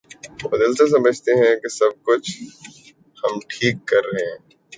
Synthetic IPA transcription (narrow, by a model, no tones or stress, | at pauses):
bɐd̪əlses̬ɐməd͡ʒʱt̪eɦɛ̃kesɐb̚kʊt͡ʃʰ | hɐmʈʰiːkːɐɾːɐɦẽ